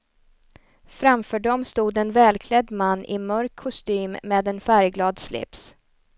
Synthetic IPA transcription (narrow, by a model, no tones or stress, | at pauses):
fɾamfœːɖɔmst̪uːd̪ɛnvɛːlkʰlɛd̪manːʔɪ̰mœɾkʰːʊst̪yːmːeːd̪ɛnfæɾɡlɑːd̪slɪ̰ps